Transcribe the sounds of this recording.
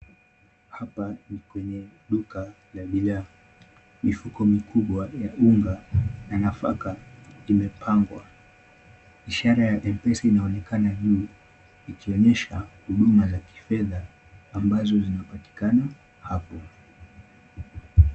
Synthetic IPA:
hapanikwɛɲɛɗuka | laɓila | mifukɔmikʰuɓwajaʔuŋɡananafa̰kaimɛpʰaŋɡwa̰ | iʃaɾajaʔɛmpɛsinaɔnɛkanaʄuː | ikiɔɲɛʃahuɗumazaki̥fɛðaː | mbazɔzinapati̥kana | hapɔ

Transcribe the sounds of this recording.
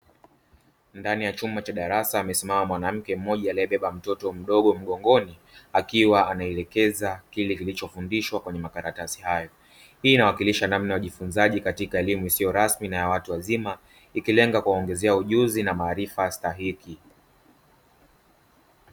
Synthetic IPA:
ndanijat͡ʃumat͡ʃaɗaɾasaːmɛsimamamwanam̩kɛm̩mɔʄaaliɛɓɛɓam̩tɔtɔm̩ɗɔɠɔm̩ɠɔŋɡɔni | akiwaanaɛlɛkɛzakilɛkilit͡ʃɔfundiʃwakwɛɲɛmakaɾatasi̥hajɔ | hiːnawakiliʃanamnajaʄifunzaʄikatikaɛlimuisijɔɾasminajawatuwazima | ikilɛŋɡakuwaɔŋɡɛzɛauʄuzinamaːɾifastaɦiki

